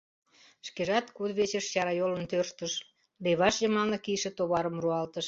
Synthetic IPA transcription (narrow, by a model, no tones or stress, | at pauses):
ʃkeʒɑt̪kud̪βet͡ɕəʃt͡ɕɑɾɑjolənt̪ørʃt̪əʃ | leβɑʃjəmɑlnekiʃet̪oβɑɾəmruɑlt̪əʃ